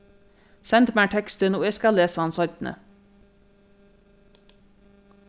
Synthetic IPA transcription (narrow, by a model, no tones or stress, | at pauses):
sɛnt̪mæːʈʰɛkst̪ənoːeɪskɑleːsəɑnsɔɾt̪n̩ʔə̰